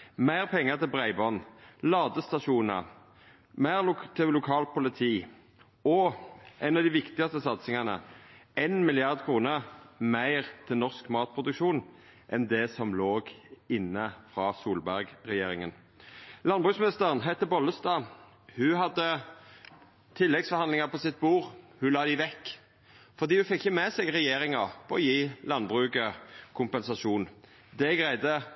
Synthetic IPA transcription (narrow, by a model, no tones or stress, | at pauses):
mæɪʁpʰɛŋːəʁt̪ʰɪlbʁæɪbɔnlɑːd̪əst̪ɑʃuːnəʁ | mæɪʁʊt̪ʰɪlʊkʰɑːlpʊlɪt̪ʰiː | ɔʔɛnɑd̪iʋɪkt̪ɪɡɑst̪əsɑt̪sɪŋɑnə̰eɪnmɪlɪɑʁd̪kʰʁuːnəʁmæɪʁt̪ʰɪlnɔʁskmɑːt̪̚pʰʁʊd̪ʉkʃuːn | ʔɛnd̪ɛsɔmloːɡɪnːəfʁɑːsuːlbæʁɡʁɛjeːɾɪŋən | lɑnbʁʉːksmnɪst̪əʁənɦæɪt̪əbɔləst̪ɑː | hʉɦɑd̪ə | t̪ʰɪlːɛɡsfɔʁɑnd̪lɪŋɑpʰɔsɪt̪̚buːʁhʉlɑːd̪ɪʋɛkː | fɔʁd̪iːhʉfɛkːçəmɛsɛɡʁɛjeːɾɪŋɑpʰɔɔjiːlɑnbʁʉːkəkʰʊmpɛnsɑʃuːn | d̪ɛɡʁæɪd̪ə